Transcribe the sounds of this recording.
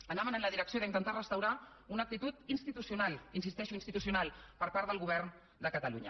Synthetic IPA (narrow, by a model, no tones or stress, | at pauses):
ənamənənləðiɾəksioðəint̪ənt̪arəst̪əwɾa | unək̚t̪it̪ut̪inst̪it̪usiunalˠinsist̪ɛʃuinst̪it̪usiunalˠpəɾpaɾt̪əlɣuβ̞ɛrn | d̪əkət̪əlṵɲə̰